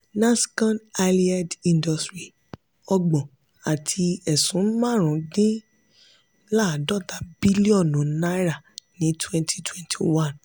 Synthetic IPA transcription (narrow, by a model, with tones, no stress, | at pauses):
nã˦skã˦na˧li˦a˦dĩ˧ndɔ˨stɾi˨ | ɔ˧ɡ͡bɔ̃˨ | a˨tʰi˧ɛ˨sũ˨˦mã˦˨ɾ̃ũ˨˦dĩ˦ | la˦˨dɔ˦˨ta˨bi˦li˦ɔ˦˨nũ˨˦na˦ɾa˦˨nĩ˨˦twɛ̃˦ntʰi̥˦twɛ̃˦ntʰi˨wã˦˨n